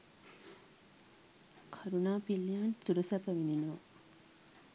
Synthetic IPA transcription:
kʰaɾunaːpilːijaːnsuɾusəpəʋind̪inoː

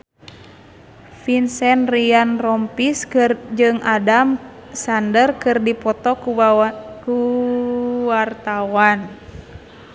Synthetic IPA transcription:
finsɛnrianrɔmpisd͡ʒɨŋadamsandərkɨrdipɔt̪ɔkuku | wart̪awan

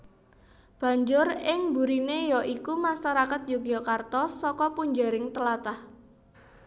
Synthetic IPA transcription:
b̥ä̤ɲd͡ʒʊrɪŋbuɾinejɔʔikumaʃaɾakat̪̚jukjɔkart̪ɔsɔkɔpuɲd͡ʒaɾɪŋt̪əlat̪ah

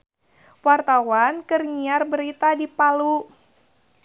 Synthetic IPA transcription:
wart̪awankərŋiarbəɾit̪adipalu

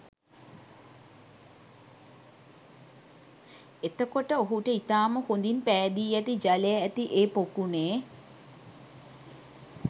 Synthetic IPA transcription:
et̪əkoʈəoɦuʈəit̪aːməhond̪inpæːd̪iːæt̪id͡ʒalejaæt̪iʔeːpokuneː

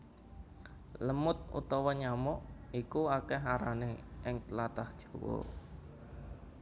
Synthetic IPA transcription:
ləmʊt̪̚ṵt̪ɔwɔɲamɔʔikuakɛɦaɾaneʔɪŋt̪lat̪ahd̥ʒ̥o̥̤wɔ̰

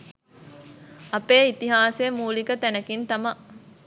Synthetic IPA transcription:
ɐpeːit̪iɦaːsemuːlikət̪ænɐkint̪ɐmɐ

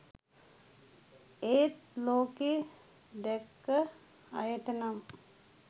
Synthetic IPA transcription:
eːt̪loːkeː | d̪ɛkːə | a̰jəʈənam

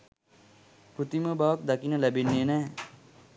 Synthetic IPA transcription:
pɾut̪iməbaʋak̚d̪akinəlæbenːeːnɛː

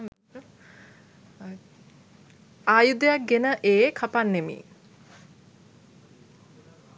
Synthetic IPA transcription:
aːjud̪əjak̚ɡenəʔeːkʰapanːemḭː

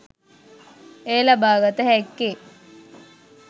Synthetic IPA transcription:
eːlabaːɡət̪əhɛkːe

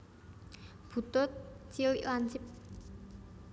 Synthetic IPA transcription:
put̪͈ot̪̚t͡ɕiant͡ɕip̚

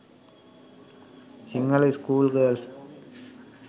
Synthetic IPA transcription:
sɪŋɡɐlɐskuːlɡəːls

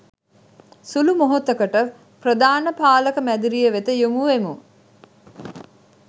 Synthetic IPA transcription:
sulumoɦot̪əkəʈə | prəd̪aːnəpaːləkəmæd̪iɾijəʋet̪əjumuʋemu

